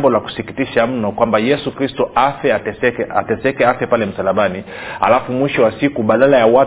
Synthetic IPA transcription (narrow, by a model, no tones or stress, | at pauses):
mbɔlaku̥sikitiʃam̩nɔkwambajɛsukɾistɔafɛaɛsɛka̰tɛsɛkɛafɛpalɛm̩salaɓani | ha̰lafumwiʃɔwasikuɓaɗalajawa